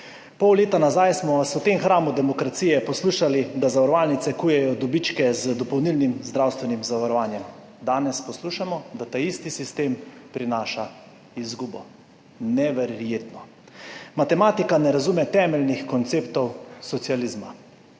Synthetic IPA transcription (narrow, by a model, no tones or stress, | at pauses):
pɔwleːt̪anazajsmɔsɛwt̪emxɾaːmud̪ɛmɔkɾat̪siːjɛpɔsluːʃalid̪azaʋaɾɔʋaːlnit̪ɛkuːjɛjɔd̪ɔbit͡ʃkɛzd̪ɔpɔwnilnimzd̪ɾawst̪ʋɛnimzaʋaɾɔʋaːnjɛm | d̪aːnɛspɔsluːʃamɔd̪at̪aist̪isist̪eːmpɾinaːʃa | izɡuːbɔ̰ | nɛʋɛɾjeːt̪nɔ | mat̪ɛmaːt̪ikanɛɾazumɛt̪ɛːmɛlnixkɔnt̪seːpt̪ɔwsɔt̪sializma